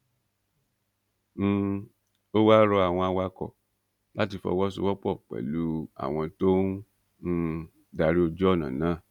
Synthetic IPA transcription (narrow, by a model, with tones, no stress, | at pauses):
o˦wa˦ɾɔ˧a˨w̃ɔ̃˧a˧wa˧kɔ̰˨ | la˦ti˧fɔ̰˧wɔ˦so̰˧wɔ˦k͡pɔ˦˨k͡pɛ̰˨lu˨˦a̰˨w̃ɔ̃˧to˦ | da˧ɾi˦o˧d͡ʒɔ˦˨nã̰˨nãː˨˦˨